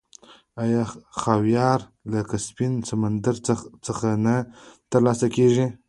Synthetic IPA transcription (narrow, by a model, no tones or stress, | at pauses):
ajɑxɑwjɑɾ | lakaspinsamand̪aɾt͡səxanat̪əɾlɑsakeʐi